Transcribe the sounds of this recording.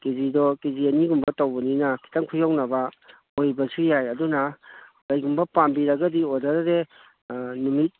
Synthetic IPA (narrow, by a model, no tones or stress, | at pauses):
kezidɔkeziɐniɡumbɐtowbɐninɐkʰi̥tɐŋkʰujawnɐbɐ | ojbɐsujajɐdunɐkɐjɡumbɐpambiɾɐɡɐdiodaɾɐɾe | numit̚